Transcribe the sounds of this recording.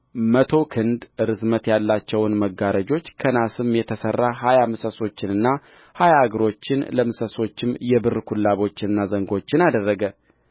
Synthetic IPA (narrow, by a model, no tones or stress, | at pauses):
mət̪ʰo̞kʰɨnd̪ɨɾɨzmət̪jalːat͡ʃːɛwnməɡːaɾəd͡ʒo̞t͡ʃːkʰənasɨmjɛt̪ʰəsərːaɦajamɨsəso̞t͡ʃːɪnɨnːa | hajaːɡɨɾo̞t͡ʃːɪnləmɨsəso̞t͡ʃːɪmjɛbɨrkʰulːaβo̞t͡ʃːɪnɨnːazəŋɡo̞t͡ʃːɪnad̪ərːəɡə